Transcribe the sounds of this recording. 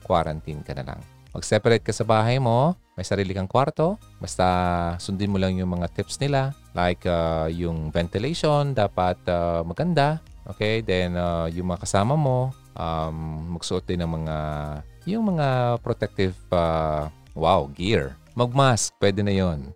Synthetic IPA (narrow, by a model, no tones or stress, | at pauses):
kwa̰ɾɐ̰nt̪inkɐnɐ̰la̰ŋ | mɐ̰ɡsɛpɐɾɛt̪̚kɐsɐbaːɦɐjmo̞ | mɐjsɐɾiːlɪkɐŋkwaɾt̪o̞ | bɐst̪asʊnd̪ɪnmolɐŋjʊŋmɐŋat̪ɪpsnɪlalʔajkajʊŋvɛnt̪ɪlɛjʃond̪aːpɐt̪̚amɐɡɐnd̪aʔoːkɛjd̪ɛnajʊŋmɐŋakɐsaːmɐmo̞ | ʔamːɐɡ̥sʊʔot̪̚d̪ɪnɐŋmɐŋajʊŋmɐŋapɾot̪ɛk̚t̪ɪva | wawɡiɹ | mɐɡ̚mask̚pwɛːd̪ɛnɐjon